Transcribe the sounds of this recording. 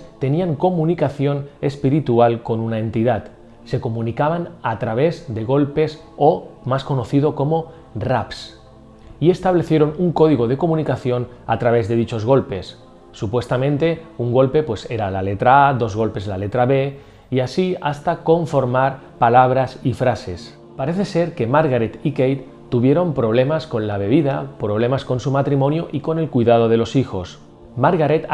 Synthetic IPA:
t̪e̞niaŋko̞mũnikaθjo̞ne̞spiɾit̪ualko̞nunae̞nt̪iðat̪ | se̞ko̞mũnikaβ̞anat̪ɾaβ̞e̞zðe̞ɣ̞o̞lpe̞s | omasko̞no̞θið̞o̞ko̞mo̞ | raps | ie̞st̪aβ̞le̞θje̞ɾo̞nuŋko̞ðiɣo̞ð̞e̞ko̞mũnikaθjo̞nat̪ɾaβ̞e̞zðe̞ðit͡ʃo̞zɣo̞lpe̞sː | upwe̞st̪amẽ̞nt̪e̞uŋɡo̞lpe̞pwe̞se̞ɾalale̞t̪ɾaaðo̞zɣo̞lpe̞zlale̞t̪ɾaβe̞ | iasiast̪ako̞ɱfo̞ɾmaɾ | palaβ̞ɾasifɾase̞s | paɾe̞θe̞se̞ɾke̞maɾɣaɾet̪ikejt̪ | t̪ːuβ̞je̞ɾo̞mpɾo̞β̞le̞masko̞nlaβ̞e̞β̞iðapɾo̞β̞le̞masko̞nsumat̪ɾimõ̞njoʔiko̞ne̞lkujðað̞o̞ð̞e̞lo̞sixo̞s | maɾɣaɾet̪

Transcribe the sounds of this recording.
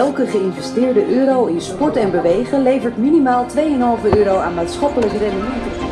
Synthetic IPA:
ɛlˠkəχəɪnvɛstɪːɹdəʔøːɾowɪnspɔɹtɛnbəʋejχəlejvəɹtminimaːlˠtʋejənɦɑlˠvøːɾowaːnmaːtsχɑpələkərɛnəmɛntə

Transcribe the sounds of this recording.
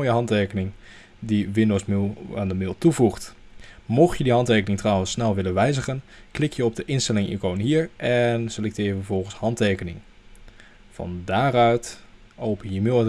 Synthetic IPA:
jəɦɑntejkənɪŋ | diʋɪndowsmaːndəmɪlˠtuvuχt | mɔχjədiɦɑntejkənɪŋtrɑwənsːnɛlˠʋɪlənʋɛjzəχənklɪkjəɔb̚dəʔɪnstɛlɪŋḭkownɦiːɹʔɛnselɛk̚tɪːjəvəɹvɔlˠχənshɑntejkənɪ̰ŋ | v̥ɑ̰ndaːɾœɥt | owpənjəmɪlˠ

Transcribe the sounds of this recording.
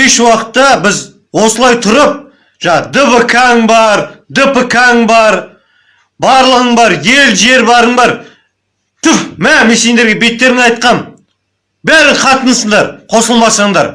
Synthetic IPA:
eʃwɑqə̥t̪ːɑbɪz | wo̞səlˠɑjt̪ʰʊɾəp̚ | ʒ̥ɑd̪əbəkʰɑŋbɑɾd̪əpəkʰaŋbɑɾ | bɑɾlˠəʁəɴbɑɾje̞lʒe̞ɾbɑɾəɴbɑɾ | t̪ʊpmæmese̞nd̪eɾɡʲebe̞t̪ːe̞ɾɪŋɑjt̪̚qɑn | bæɾɪɴqʰɑt̪ənəsəɴd̪ɑɾqʰo̞səlˠmɑsɑɴd̪ɑ̰ɾ

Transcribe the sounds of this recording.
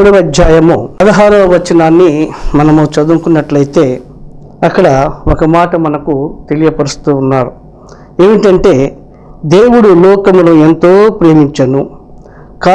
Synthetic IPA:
ɽɐʋɐd͡ʒ̪jaːjɐmuɐd̪ɐɦaːɾɐmʋɐt͡ʃːɐnaːnːimɐnɐmut͡ʃɐd̪uŋkunːɐʈlɐjit̪e̞ː | ɐkːɐɽɐokɐmaːʈɐmɐnɐkut̪e̞lijɐpɐɾust̪t̪uːnːaːɾu | eːʋiʈɐɳʈe̞ː | d̪e̞ːwuɽulɔːkɐmunue̞nt̪o̞ːpɾe̞ːmiɲt͡ʃɐnu | kaː

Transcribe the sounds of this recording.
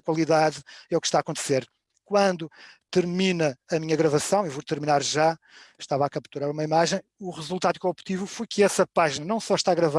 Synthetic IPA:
kwɐlˠiðaðɛukʃt̪aːkõnt̪seɾ | kwɐ̃nd̪ut̪ɨɾminɐːmiɲɐɣɾɐvɐsɐ̃w̃ewvot̪ɨɾminaɾʒa | ʃt̪avakɐpt̪uɾaɾumɐimaʒɐ̃j̃uʁɨzulˠt̪aðukõpt̪ivufojkɨɛsɐpaʒinɐnɐ̃w̃sɔʃt̪aɣɾɐva

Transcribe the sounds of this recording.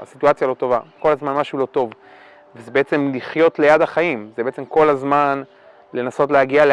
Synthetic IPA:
a̰situat͡sjalo̞to̞vako̞lazmanmaʃulo̞to̞v | vezebeet͡se̞mliχjo̞tle̞jadaχaimzebeet͡se̞mko̞lazman | le̞naso̞tleaɡiale

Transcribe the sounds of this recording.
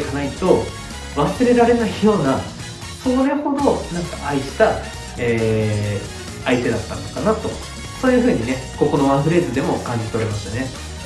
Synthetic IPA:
kanait̪o̞ | βasɨɾe̞ɾaɾe̞naijo̞ːna | so̞ɾeho̞d̪o̞nãŋkaʔaiɕi̥t̪a | eː | ait̪e̞d̪at̪ːã̰nokanat̪o̞̰ | so̞ːjɯ̟ːɸɯ̟ːɲ̟ine̞ko̞ko̞no̞βãɸɯ̟ɾe̞ːzɨd̪e̞mo̞kãɲ̟d͡ʑit̪eɾemasɨne̞

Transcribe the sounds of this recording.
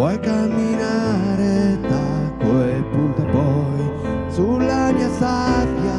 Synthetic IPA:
ɔjkamːinaɾet̪akwoepːuɾt̪opɔ | sulːaɲasapja

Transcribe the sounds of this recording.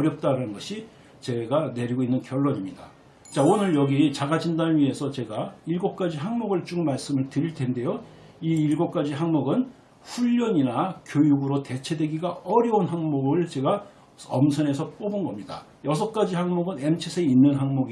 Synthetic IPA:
ʌɾjʌp̚t͈aɾanɯnɡʌɕʰi | t͡ɕe̞ɡane̞ɾiɡoinːɯnkjʌɭːoɲimɲida | t͡ɕaonɯɭjʌɡit͡ɕaɡad͡ʑindanɥie̞sʰʌt͡ɕe̞ɡaiɭɡop̚k͈ad͡ʑiɦaŋmoɡɯɭt͡ɕ͈uŋmaɭs͈ɯmɯɭtɯɾiɭtʰe̞nde̞jo | iːɭɡop̚k͈ad͡ʑiɦaŋmoɡɯn | ɸuʎːʌɲinakjojuɡɯɾote̞t͡ɕʰe̞dwe̞ɡiɡaʌɾjʌunɦaŋmoɡɯɭt͡ɕe̞ɡa | ʌmsʰʌne̞sʰʌp͈obɯnɡʌmɲida̰ | jʌs̬ʰʌk͈ad͡ʑihaŋmoɡɯne̞mt͡ɕʰesʰeinːɯnɦaŋmoɡi

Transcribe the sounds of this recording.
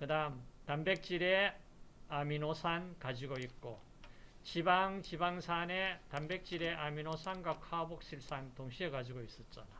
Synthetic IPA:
kɯdaɯmtanbe̞k̚t͡ɕ͈iɾe̞ | aminosʰankad͡ʑiɡoit̚k͈o | t͡ɕibaŋt͡ɕibaŋsʰanetambe̞k̚t͡ɕ͈iɾe̞ʔaminosʰanɡwakʰabok̚ɕ͈iɭs͈antoŋɕʰiekad͡ʑiɡois͈ʌt̚t͡ɕ͈ana

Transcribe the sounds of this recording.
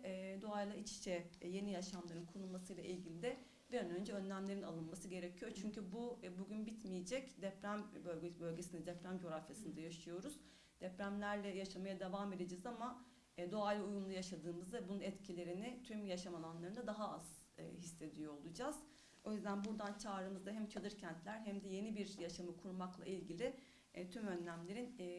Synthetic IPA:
d̪o̞ajlˠait͡ʃi̥t͡ʃʰɛje̞nijaʃamlˠaɾɯnkʰonulˠmasɯjlˠaʔilʲɟilʲid̪ɛ | biɾanø̞nd͡ʒɛø̞nlʲæmlʲe̞ɾinalˠɯnmasɯɟe̞ɾecʰijo̞ɾt͡ʃʰyɲcybubuɟynbit̪mijed͡ʒɛcd̪ɛpɾæmbø̞lʲɟebø̞lʲɟe̞sinɛd̪ɛpɾæmd͡ʒo̞ɾafjasɯnd̪ajaʃɯjo̞ɾuz̥ | d̪̥ɛpɾæmlʲæɾlʲɛjaʃamajad̪evame̞d̪ed͡ʒɛzama | d̪o̞ajlʲiujumlˠujaʃad̪ɯːmɯzd̪aɛbununɛt̪cʰilʲe̞ɾinɪt̪ʰymjaʃamalˠanlˠaɾɯnd̪ad̪aɦaaz̥̰ | ɦisːe̞d̪ijoolˠud͡ʒaz̥ | o̞jyzd̪ænbuɾd̪ant͡ʃʰaːɾɯmɯzd̪aɦæmt͡ʃʰalˠɯɾcʰɛnt̪lʲæɾɦæmd̪ɛje̞nibiɾjaʃamɯkʰuɾmaklˠa̰ilʲɟʲilʲɪ | t̪ʰymø̞nlʲæmlʲe̞ɾinː

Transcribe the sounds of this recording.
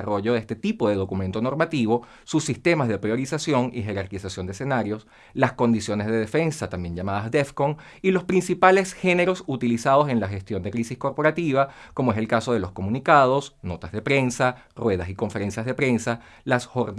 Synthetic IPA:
aro̞ʝo̞ðest̪et̪ipo̞ðe̞ðo̞kumẽnt̪o̞no̞ɾmat̪iβo̞ | susːist̪e̞mazðe̞pɾjo̞ɾisasjo̞ŋixe̞ɾaɾkisasjo̞nd̪esenaɾjo̞s | lasko̞nd̪isjo̞ne̞zðe̞ðe̞fe̞nsat̪ambje̞ɲʝamaðazd̪efkoŋ | ilo̞spɾinsipale̞sxe̞ne̞ɾo̞sut̪ilisaðo̞s̬e̞nlaxe̞st̪jo̞nd̪e̞kɾisisko̞ɾpo̞ɾat̪iβ̞ako̞moe̞se̞lkaso̞ð̞e̞lo̞sko̞mũnikað̞o̞sno̞t̪azðe̞pɾe̞nsa | rwe̞ð̞asiko̞ɱfe̞ɾe̞nsjazð̞epɾe̞nsa | lasxoɾ

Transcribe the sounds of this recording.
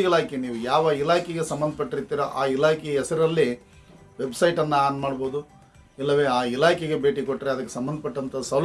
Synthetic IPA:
ilaːkeniːʋujaːʋɐilaːkɛɡesɐmbɐnd̪ʱɐpɐʈːiɾit̪ːiːɾɐʔaːilaːkɛjɐɛsɐɾɐlːi | ʋe̞bsɐjʈɐnːɐaːnmaːɽboːd̪u | ilːɐʋe̞ːaːilaːkɛɡebe̞ːʈikoʈːɾeɐd̪ɐkːesɐmbɐnd̪ɐpɐʈːɐnt̪ʰɐsɐl

